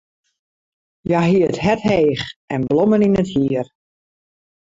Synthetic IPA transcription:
jaɦiəətɦɛtheːxʔɛnbloməninəthiər

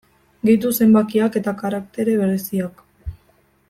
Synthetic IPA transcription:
ɡejt̪̬use̞mbakiake̞t̪akaɾakt̪e̞ɾe̞β̞e̞ɾe̞siak

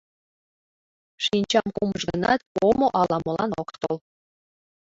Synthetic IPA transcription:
ʃinʲt͡ɕɑmkumɤʃɡənɑt̪omoʔɑlɑmɤ̆lɑnokt̪ol

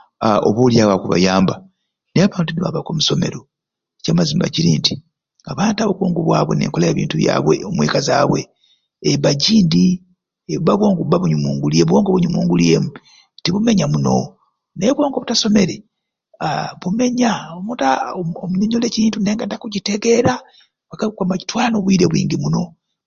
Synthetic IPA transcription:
o̰βuljaβwakuβa̰jaːmba | neaβaːntuniβa̰βako̞muso̞me̞̰ɾo | ecaːmazimba̰ciɾiːnti | aβaːntaβokoːŋɡuβwaːβwe̞̰nḛːŋkolajeːβḭːntuβja̰ːβwḛomwḛːkaza̰ːβweː | βaɟiːndi | eβaβwoːŋɡuβaβuɲumuːŋɡulieβoːŋɡoβuɲumuːŋɡulie̞mu | tiβume̞ɲamuno̞̰ | neβwo̞ːŋɡoβutaso̞me̞ɾe | aβume̞ɲaomutaomuɲoɲole̞ːciɾiːntune̞ːŋɡadakuɟiteɡe̞ɾa | βakakamaci̥twaːnoβwiːɾeβwḭːŋɡimuno̞

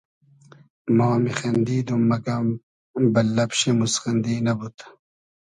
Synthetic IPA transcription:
mawmixɐnd̪iːd̪umːɐkɐm | bɐlːɐpɕimusxɐnd̪iːnɐbut̪

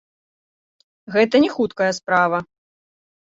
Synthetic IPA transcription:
ɣɛt̪ɐnʲɛxut̪kɐjɐspɾavɐ

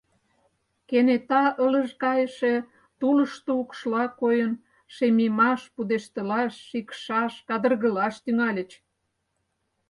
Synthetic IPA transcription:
kenet̪ɑʔələʃkɑjəʃe̽ | t̪ulə̆ʃt̪oukʃlɑkojən | ʃemimɑʃpud̪eʃt̪əlɑʃːikʃɑʃkɑd̪ərɣə̆lɑʃt̪yŋɑlʲə̆t͡ɕ

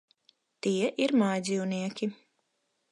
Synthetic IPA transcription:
t̪iɛʔiɾmajd̪zʲiwniɛkʲi

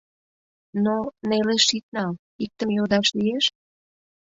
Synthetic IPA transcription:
noneleʃit̪̚nɑl | ik̚t̪əmjod̪ɑʃlijeʃ

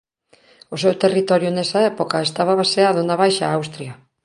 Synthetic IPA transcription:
ose̞wt̪e̞rit̪o̞ɾjunesaepo̞kae̞st̪aβaβaseaðonaβ̞ajʃaawst̪ɾia

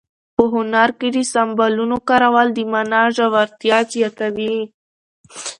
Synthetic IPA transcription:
pəɦʊnaɾked̪isambalunokaɾawald̪imanɑʒawaɾt̪jɑt͡ʃjakawi

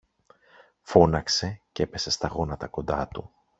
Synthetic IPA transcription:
fo̞nɐkse̞ce̞pe̞se̞st̪ɐɣo̞nɐt̪ɐko̞nd̪ɐt̪u

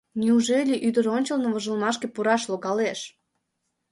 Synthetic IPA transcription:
nʲiuʒelʲiʔyd̪əɾonʲt͡ɕolnŏvoʒɨlmɑʃkepuɾɑʃlˠoɡɑleʃ

